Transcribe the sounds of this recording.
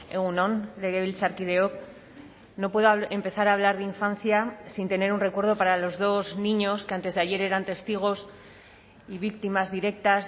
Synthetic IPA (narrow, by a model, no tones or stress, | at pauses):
eɣunõ̞nleɣeβilsaɾkiðeok | no̞pwe̞ðoempe̞θaɾaːβ̞laɾðeiɱfanθjasint̪e̞ne̞ɾunre̞kwe̞ɾð̞o̞paɾalo̞zðo̞znĩɲo̞skeant̪e̞zðeaʝe̞ɾe̞ɾant̪e̞st̪iɣ̞o̞s | iβik̚t̪imazðiɾe̞k̚t̪as